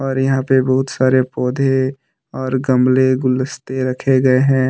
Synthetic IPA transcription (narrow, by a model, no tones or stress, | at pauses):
ɔːɾjɐɦãpebɐɦʊt̪saːɾepɔːd̪ʱe | ɔːɾɡɐmleɡʊləst̪eɾɐkʰeɡɐeɦɛ̃ː